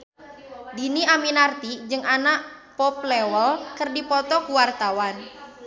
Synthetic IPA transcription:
diniaminart̪id͡ʒɨŋʔanaʔpɔp̚lɛwəlkərdipɔt̪ɔkuwart̪awan

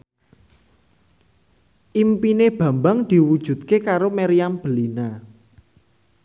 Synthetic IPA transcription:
ʔimpineb̥ä̤mbaŋd̪̥i̤wud̥ʒ̥ṳd̪̚kekaɾomeɾiamb̥əlina

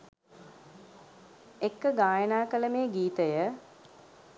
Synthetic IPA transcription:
ekːəɡaːjənaːkələmejəɡiːt̪əjə

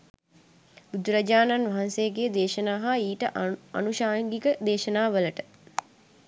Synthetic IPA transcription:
bud̪ɾɐd͡ʒaːnanʋɐɦansejəɡeːd̪eːʃənaːɦaiːʈəɐ̰nuʃaːŋɡikəd̪eːʃənaːʋələʈə

